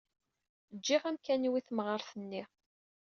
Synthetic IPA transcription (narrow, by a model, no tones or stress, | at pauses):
d͡ʒːiʁæmkæniwiθmʁəɾθənːi